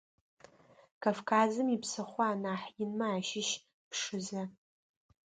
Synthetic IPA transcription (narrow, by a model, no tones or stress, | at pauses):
kʰavkʰaːzɨmipʰsɨχʷaːnaħjɪnmaːʃɪʃ | pʰʂɨza